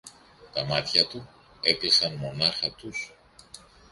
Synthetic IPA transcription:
t̪ɐmɐt̪çɐt̪u | e̞klisɐnmo̞nɐxɐt̪us

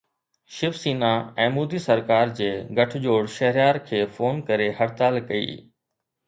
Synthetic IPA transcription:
ʃɪfsiːnaɛ̃ːmuːd̪iːsɐɾkaːɾd͡ʑeːɡʱɐʈʰd͡ʑoːɽʃɐɦɾɪjaːɾkʰeːfoːnkɐɾeɦɐɽt̪aːlkɐḭː

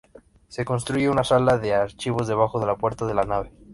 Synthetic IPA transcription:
se̞ko̞ns̬t̪ɾuʝeunasalaðe̞aɾt͡ʃiβo̞zðe̞β̞axoðe̞lapwe̞ɾt̪aðe̞lanaβe̞

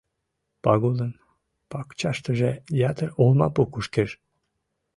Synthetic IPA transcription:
pɑɣud̪ən | pɑkt͡ɕɑʃt̪əʒejɑt̪əɾolˠmɑ̰pukuʃkeʒ

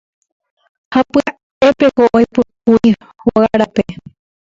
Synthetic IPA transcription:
hapɨa | epekoʔojpɨkuj | hoɣaɾape

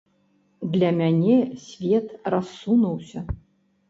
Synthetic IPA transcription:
d̪lʲamʲanʲesʲvʲet̪rasːunuwsʲɐ

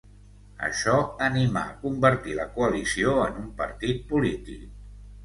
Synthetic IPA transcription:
ə̰ʃɔənima̰əkumbəɾt̪iləkuəlisioənumpə̰ɾt̪it̪̚pulit̪ḭk

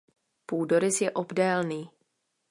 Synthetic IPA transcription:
puːdoɾɪsjɛʔobdɛːlniː

